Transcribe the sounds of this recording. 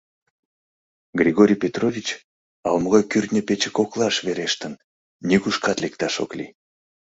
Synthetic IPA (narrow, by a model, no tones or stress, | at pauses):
ɡrʲiɣoɾʲijpʲet̪rovʲit͡ɕ | ɑlmoɣɑjkyrt̪nʲəpet͡ɕəkoklˠɑʃβeɾeʃt̪ən | nʲiɣuʃkɑt̪lekt̪ɑʃo̰klḭ